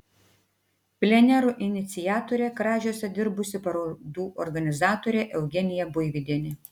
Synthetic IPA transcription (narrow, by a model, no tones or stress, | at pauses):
pʲlʲɛnʲɛɾuʔɪnʲɪt̪sʲɪjæːt̪oːɾʲeːkɾɑːʒʲoːsʲɛd̪ʲɪɾbʊsʲɪpɐɾoːd̪uːʔɔɾɡɐnʲɪzɑːt̪oːɾʲeːʔɛʊɡʲɛnʲɪjɛbʊɪʋʲid̪ʲiːnʲɪ